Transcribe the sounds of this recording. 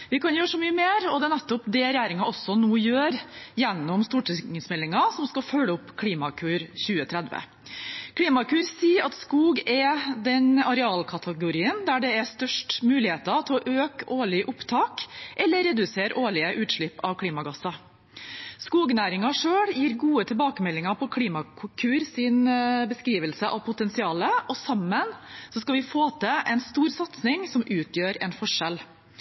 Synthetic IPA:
ʋɪkʰɑnjøːʂɔmyːəmeːɾɔd̪ɛnɛt̪ːɔpd̪ɛɾɛjæːɾɪŋɑʔɔsːɔnuːjøːɾjɛnːɔmst̪uːʈɪŋəsmɛlːɪŋɑsɔmskɑfœlːəʊpːkʰliːmɑkʰʉːɾçʉːət̪ʰɾɛd̪ʋə̰ | kʰɽiːmɑkʰʉːɾsiːɑt̪skuːɡɛd̪ɛnɑɾɛɑːlkʰɑt̪ʰəɡʊɾiːənd̪æɖɛɛst̪œʂʈmʉːlɪheːt̪ɑt̪ʰɪɔʔøːkoːɭɪʔʊpt̪ʰɑːkʔɛlːəɾɛd̪ʉseːɾoːɭɪəʔʉːt̪ʂɭɪpːɑʋkʰliːmɑɡɑsɑ | skuːɡnæːɾɪŋɑʂøːɽjiːɾɡuːət̪ʰɪlbɑːkəmɛlːɪŋɑpʰɔkʰliːmɑkʰkʰʉːɾsɪnbəskɾiːʋəlsəʔɑʋpʰʊt̪ɛnsɪɑːləʔɔsɑmːənsɔskɑʋɪfoːt̪ʰəʔɛnst̪uːɾsɑt̪snɪŋsɔmʔʉːt̪ʰjøːɾɛnfɔʂɛl

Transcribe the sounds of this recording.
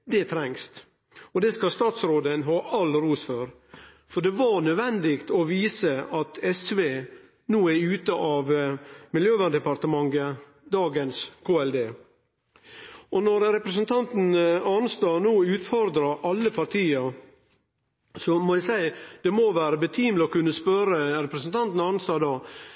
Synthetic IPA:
d̪ɛt̪ʰɾɛŋst̪ | ɔd̪ɛskɑst̪ɑːt̪sɾoːd̪ənɦɑːʔɑlɾuːsføɾ | fɔɖɛʋɑɾnœd̪ʋɛnd̪ɪkt̪ɔʋiːsəɑt̪ʰɛsʋeː | nuːæʉːt̪əʔɑʋmɪljøːʋɑnd̪ɛpɑɾt̪əmɑŋːə | d̪ɑːɡənskʰoːɛld̪eː | ʔɔnɔɾɾɛpɾəsənt̪ʰɑnt̪n̩ɑnst̪ɑːnuːʉːt̪fɔɾd̪ɾɑɾʔɑlːəpʰɑɾt̪ʰiːəɾ | sɔmɔjæɪsæɪd̪̥ɛmɔʋæːɾəbət̪ʰiːmlɔkʉnːəspœɾəɾɛpɾəsnt̪ʰɑnt̪n̩ɑnst̪ɑːd̪ɑː

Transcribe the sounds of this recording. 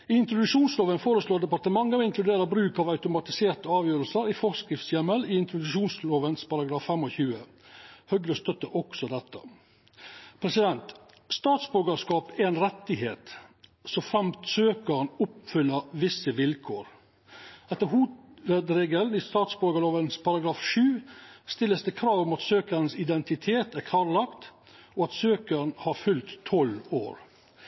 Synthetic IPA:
ɪɪnt̪ɾʊd̪ʉʂuːnsloːʋənfoːɾəsloːd̪ɛpɑɾʈ̪əmɑŋːəɪŋklʉd̪eːɾəbɾʉːkɑʋɑʉt̪ʊmɑt̪ɪseːɾt̪əɑːʋjøːɾəlsəɾɪfɔskɾɪft̪sjɛməlɪɪnt̪ɾʊd̪ʉʂuːnsloːʋənspɑɾɑɡɾɑːffɛmːɔçʉːə | hœɡləst̪œt̪ːəʔɔksɔd̪ɛt̪ʰːə̰ | pʰɾɛsɪd̪ɛnt̪ | st̪ɑːt̪sbœɾɡəʂkɑːpæɛnɾɛt̪ːɪheːt̪sɔfɾɛmt̪søːkəɾɳʊpfʏlːəʋɪsːəʋɪlkʰoːɾ | ɛt̪ːəɾɦuːɾed̪ɾeːɡəlnist̪ɑːt̪sbɔɾɡəloːʋənspʰɑɾɑɡɾɑːfʂʉːst̪ɪlːəsd̪ɛkʰɾɑːʋɔmɑt̪søːkəɾnsɪd̪ɛnt̪ɪt̪ʰeːt̪æɾkʰɑːɾlɑkt̪ | ɔɑt̪søːkəɾn̩hɑɾfʉlt̪ʰːɔlo̰ːɾ

